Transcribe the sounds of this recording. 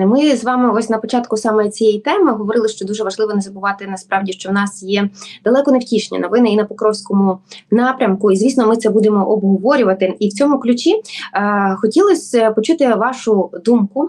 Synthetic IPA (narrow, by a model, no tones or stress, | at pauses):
mɪzʋɑmɪɔsʲnɐpɔt͡ʃɑt̪kʊsɑmɔjit͡sʲijɛjt̪ɛmɪɦɔʋɔɾɪlˠɪʃt͡ʃɔd̪uʒɛʋɐʒlˠɪʋɔnɛzɐbʊʋɑt̪ɪnɐspɾɑwdʲiʃt͡ʃɔwnɑsjɛd̪̥ɐlˠɛkɔnewtʲiʃnʲḭnɔʋɪnɪinɐpɔkɾɔwsʲkɔmʊnɑpɾʲɐmkʊizʲʋʲisnɔmɪt̪sɛbud̪emɔʔɔbɦɔʋɔɾʲʊʋɐt̪ɪiwt͡sʲɔmʊklʲʊt͡ʃʲi | xɔtʲilˠɔsʲpɔt͡ʃut̪ɪʋɑʃʊd̪umkʊ